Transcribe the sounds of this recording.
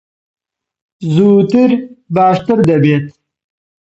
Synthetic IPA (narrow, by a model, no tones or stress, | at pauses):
zuːt̪iɾbaːʂt̪əɾd̪ɐbeːt̪